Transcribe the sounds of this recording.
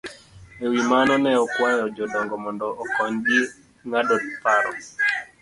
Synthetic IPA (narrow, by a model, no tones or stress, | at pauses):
ewimanɔnɛɔkwajɔd͡ʒɔdɔŋɡɔmɔndɔʔːkɔɲɡi | ŋadɔtpaɾɔ̰